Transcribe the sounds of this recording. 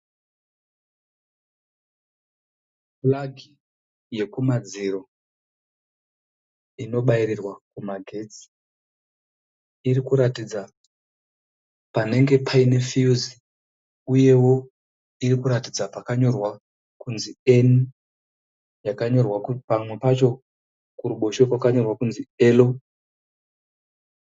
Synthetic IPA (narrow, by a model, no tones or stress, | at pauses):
plaɡʱi | je̞kumad͡ziro̞ | ino̞ɓaiɾirwakumaɡʱe̞t͡si̥ | iɾikuɾatid͡za | pane̞ŋɡe̞pʰaine̞fiuzi | uje̞wo̞ | iɾikuɾatid͡zapakaɲo̞rwa | kunzieni | jakaɲo̞rwakupamwe̞pat͡ʃo̞ | kuɾuɓo̞ʃekwakaɲo̞rwakunzie̞lo̞